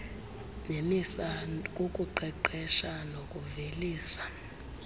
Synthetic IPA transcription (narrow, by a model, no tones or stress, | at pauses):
nemisak̬ʼokʼuǃɛǃɛʃanokʼuveliːsḁ